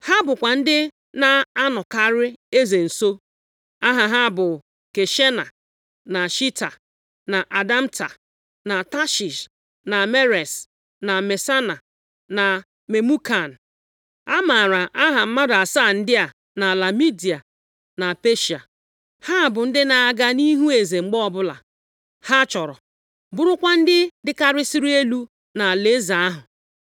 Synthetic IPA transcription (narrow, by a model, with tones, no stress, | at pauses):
ha˦bʊ˨kʷa˨n̩˦dɪ˦ | na˦a˦nɔ˨ka˦ɾɪ˦e˦ze˨n̩˨so˦ | a˦ɦa˨ɦa˦bʊ˨ | ke˨ʃe˦na˨ | na˨ʃi˦ta˨ | na˨ʔa˨da˦m̩˦ta˨ | na˨ta˦ʃi˨s | na˨me˦ɾe˨s | na˨me˨sa˦na˨ | na˨ | me˨mu˦ka˨n̩˨ | a˦ma˨ɾa˨ʔa˦ɦa˨m̩˦ma˦da˨saː˦˨n̩˦dɪ˦a˨ | na˨la˨mi˦di˨a˨ | na˨pe˦ʃi˨a̰˨ | ha˦a˨bʊ˨n̩˦dɪ˦na˨a˨ɡa˦ni˦ɦu˦e˨ze˨ŋ͡m̩˨ɡ͡bɔ˦ɔ˦bʊ˦la̰˨ | ha˦t͡ʃɔ˨ɾɔ̰˨ | bʊ˦ɾʊ˦kʷa˦n̩˦dɪ˦dɪ˦ka˦ɾɪ˦si˦ɾi˦e˦lu˦ | na˨le˦za˨a˦ɦʊ˨